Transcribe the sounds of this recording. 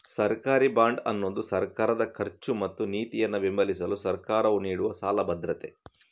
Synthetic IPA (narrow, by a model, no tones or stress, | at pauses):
sɐɾkaːɾibaːɳɖɐ̰nːoːnd̪usɐɾkaːɾɐd̪ɐkʰɐɾt͡ʃumɐt̪ːuniːt̪ijɐnːuʋimbɐlisɐlusɐɾkaːɾɐʋuniːɽuʋɐsaːlɐbɐd̪ɾɐt̪e